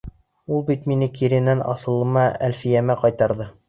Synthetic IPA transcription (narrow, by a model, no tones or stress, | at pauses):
ulˠbit̪minɘkiɾɘ̆nænɑ̰sɤ̆lˠɤ̆mɑælfɘ̆jæmæqɑjt̪ɑɾðɤ